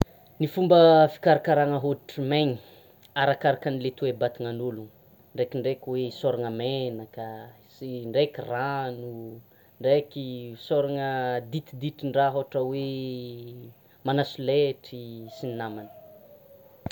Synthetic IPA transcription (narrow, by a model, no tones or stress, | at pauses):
nifumbəfi̥kaɾakaɾaŋəɦoʈ͡ʂimeɲi | aɾakaɾakanilet̪uwebat̪iŋanuluŋ | ɳɖ͡ʐekiɳɖ͡ʐekʲiwesoɾaŋəmenakə | siɳɖ͡ʐekiranu | ɳɖ͡ʐekisoɾaŋəd̪it̪id̪iʈ͡ʂiɳɖ͡ʐaɦoʈ͡ʂəwe | manasuleʈ͡ʂisininamanə̥